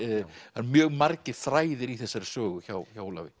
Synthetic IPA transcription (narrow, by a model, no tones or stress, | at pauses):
hanmjœːɣmaɾcɪɾ̥θɾaːjðɪɾiθɛsːaɾɪ̥sœːɣʏçaːwçaːwla̰vɪ